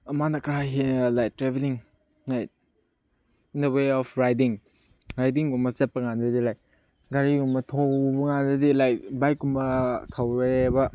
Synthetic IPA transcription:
ɐmanɐkɾajɦenlajtɾebeliŋ | lajt̚ | indɐweɔpʰɾajdiŋ | ɾajdiŋɡumɐsɐt̚pɐŋandɐdilaj | ɡaɾiɡumɐtʰobɐŋandɐdilajbajkːumbɐtʰɐwɾebɐ

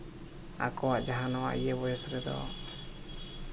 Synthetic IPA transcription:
a̰kɔwaʔd͡ʒaɦanɔwa̰ʔijəbɔjɛsɾɛd̪ɔ̰

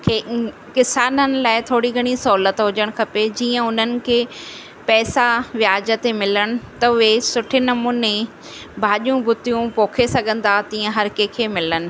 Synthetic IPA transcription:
kʰe | kɪsaːnənɪ̆laːɪt̪ʰoːɽiɡʱɐɽ̃isoːlət̪ɦʊd͡ʑəɽ̃kʰɐped͡ʑiːə̃ʊn̤ənɪ̆kʰeː | pɛːsaʋɪjaːd͡ʑət̪emɪləɽ̃ɪ̆t̪ɐʊɦesʊʈʰɪnɐmuːne | bʱaːʄijũbʊt̪ijũpoːkʰesɐɠʱə̃nd̪at̪iːə̃ɦɐɾkekʰeːmɪlənɪ̆

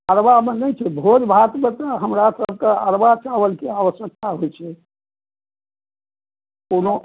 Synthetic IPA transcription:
əɾʋamenət͡ʃʰɛbʱod͡ʒbʱat̪mẽt̪əɦəmɾasəb̚ʱkeəɾʋat͡ʃaʋəlkeaʋəsjək̚t̪aɦojt͡ʃʰɛ | kono

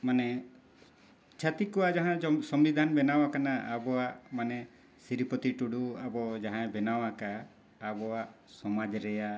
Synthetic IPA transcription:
manɛ | t͡ʃʰat̪ikɔwad͡ʒaɦãsɔmlid̪ʱanbɛnawakanaabɔaʔmanɛ | siɾipɔt̪iʈuɽuabɔd͡ʒaɦãɛ̃bɛnawakaː | bɔwa | sɔmad͡ʒɾɛja

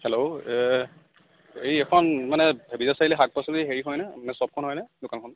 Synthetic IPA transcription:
hɛloɛ | ejɛkʰɔnmanɛebizasailɛɦak̚pasɔdiɦeɹiɦɔjnɛmanɛsɔb̚kʰɔnɦɔjnɛdʊkankʰɔn

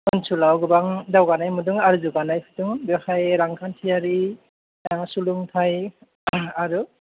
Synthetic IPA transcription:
ɔnsulawɡɯbaŋdawɡanajmudɯŋaɾuzuɡanajpʰɯtɯŋbɔxajɾaŋkʰantʰijaɾi | suluŋtʰaj | aɾu

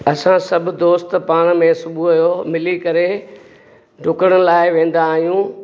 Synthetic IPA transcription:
ɐsãsɐbʱʊ̆d̪oːst̪paːɽ̃mẽsʊbʱuɐjomɪlikɐɾe | ɖʱʊkəɽ̃əñɪ̆laːɪʋẽːn̆d̪aːɦijũː

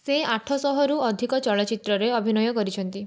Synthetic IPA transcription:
seaʈʰɔsɔɦɔɾuɔd̪ʱikɔt͡ʃɔɭɔt͡ʃit̪ɾɔɾeɔbʱinɔjɔkɔɾit͡ʃʰɔnt̪i

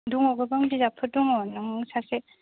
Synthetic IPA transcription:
duŋɔɡɯbaŋbizapʰɯduŋɔnɯŋsase

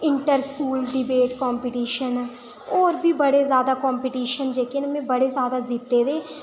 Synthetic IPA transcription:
ɪɳʈəɾskuːlɖɪbeːʈkɔːmpiʈiːʃən | oːɾbʱiːbəɽeːzjaːd̪aːkɔːmpiʈiːʃənd͡ʒeːkɪnmɛ̃ːbəɽeːzjaːd̪aːzɪt̪ːeːd̪eː

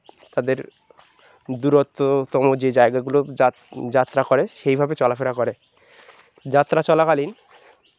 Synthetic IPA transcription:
t̪ad̪eɾ | d̪uɾot̪ːot̪ɔmod͡ʑed͡ʑaeɡaɡulo | d͡ʑat̪ːɾakɔɾeʃejbʱabet͡ɕɔlafeɾakɔɾe | d͡ʑat̪ːɾat͡ɕɔlakalin

